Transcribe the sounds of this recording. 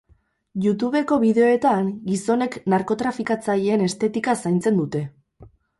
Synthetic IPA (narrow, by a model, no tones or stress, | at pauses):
ʝut̪uβe̞ko̞βiðe̞o̞e̞t̪aŋɡiso̞ne̞knaɾko̞t̪ɾafikat͡saʎeːne̞st̪e̞t̪ikasajnt͡se̞nd̪ut̪e̞